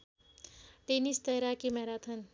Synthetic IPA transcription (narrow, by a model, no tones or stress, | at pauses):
ʈenist̪əɦɾakimeɦɾat̪ʰən